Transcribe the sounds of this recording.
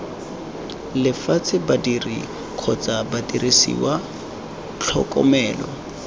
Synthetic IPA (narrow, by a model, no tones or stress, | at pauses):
lɪfat͡sʼɪbadirḭ | kʰɔt͡sʼabatʼirisḭwa | t͡ɬʰɔ̰kʼɔ̰mɛːlɔ̰